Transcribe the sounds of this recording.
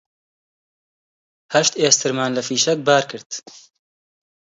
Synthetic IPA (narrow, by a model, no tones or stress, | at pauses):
hɐʃt̪eːst̪ʰɨɾmaːnlɐfiːʃɐk̚baːɾkʰɨɾd̪̥